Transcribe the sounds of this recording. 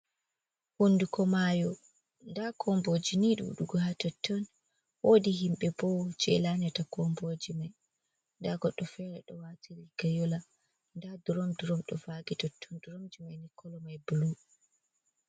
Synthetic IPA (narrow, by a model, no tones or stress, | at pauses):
hundukʰɔmajɔ | ndakʰɔmbod͡ʒiniɗṵɗuɡɔhatɔtʰːɔn | woːdihimɓɛbɔd͡ʒɛ̰lanɛtakɔmbod͡ʒimaj | ndaɡɔɗːɔfɛɾɛɗɔwatʰiɾiɡajɔla | ndaduɾɔmduɾɔmɗɔfaɡitɔtʰːɔnduɾɔmd͡ʒimajnikʰːɔlɔmajbulu